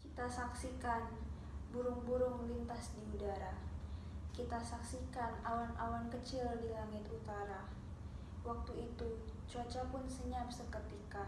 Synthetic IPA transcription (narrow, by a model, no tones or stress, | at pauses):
kit̪asaksikan | buɾʊŋbuɾʊŋlint̪asdiudaɾa | kit̪asaksikanawanawankət͡ʃɪldilaŋɪt̪ut̪aɾa | wak̚t̪uit̪ut͡ʃuat͡ʃapʊnsəɲapsəkət̪ika